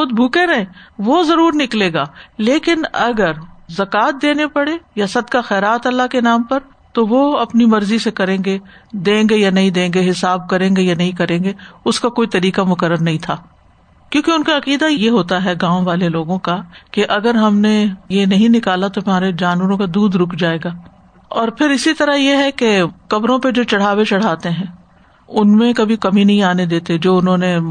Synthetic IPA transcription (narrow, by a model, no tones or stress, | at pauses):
xʊd̪̚bʱuːkeɾɐɦẽʋozɐɾuːɾnɪkleːɡaːleːkɪnɐɡəɾzɐkaːt̪̚d̪eːnepɐɽejasɐd̪kaxɛːɾaːt̪ɐlːakenaːmpɐɾ | t̪oʋoɐpnimɐɾzisekɐɾẽːŋɡed̪ẽːŋɡejanɐɦĩd̪ẽːŋɡeɦɪsaːb̚kɐɾẽːŋɡejanɐɦĩkɐɾẽːɡeːʊskakoːit̪ɐɾiːkamʊkəɾːəɾnɐɦĩt̪ʰaː | kjõːkeʊnkaɐqiːd̪ajjeɦoːt̪aɦɛɡãːõʋaːleloːɡõkakeʔɐɡəɾɦɐmnejenɐɦĩnɪkaːlat̪oɦɐmaːɾed͡ʒaːnʋəɾõkad̪uːd̪ɾʊkʰd͡ʒaːeːɡaː | ɔːɾpʰɪɾɪsit̪ɐɾaɦjeɦɛkekɐbɾõped͡ʒoːt͡ʃɐɽ̤aːwet͡ʃɐɽ̤aːt̪eɦɛ̃ː | ʊnmẽkɐbʱikɐminɐɦĩaːned̪eːt̪ed͡ʒoːʊnɦõːne